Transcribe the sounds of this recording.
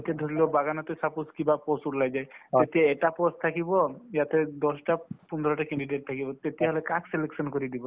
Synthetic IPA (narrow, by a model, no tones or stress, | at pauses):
et̪ed̪ʱɔɾilɔbaɡanɔt̪esapuskibapɔsuʈlajd͡ʒajd͡ʒet̪ieeʈapɔst̪ʰakibɔjat̪ed̪ɔsʈapund̪ʱɾɔʈakeɳɖiɖeʈ̚t̪ʰakibɔt̪et̪eɦɔlekakseleksɔnkɔɾid̪ibɔ